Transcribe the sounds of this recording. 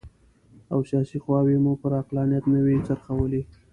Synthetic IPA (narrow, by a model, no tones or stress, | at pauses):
awsjɑsixwɑwimupəɾaqlɑnijat̪nəwit͡saɾxawəli